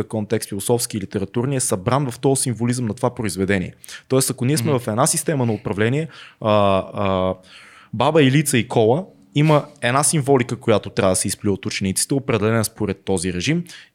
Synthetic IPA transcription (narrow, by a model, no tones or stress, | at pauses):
əkɔnt̪ɛkst̪filˠosɔfsk̟iːlit̪ɛɾɐt̪uɾniɛsɐbɾanvɐft̪ɔsiɱvolizəmnɐt̪ovapɾoizvɛd̪ɛnʲḭɛt̪ɔɛst̪ɐkoniɛsmɛvɐfɛd̪nasist̪ɛmənɐopɾɐvlɛniɛ | babəilit̪səikʰɔlˠə | iməɛd̪nasiɱvɔlikəkojat̪ot̪ɾʲavd̪əsɛispliot̪ʊt͡ʃɛnit̪si̥t̪ɛopɾɛd̪ɛlɛnəspoɾɛt̪ːɔziɾɛʒim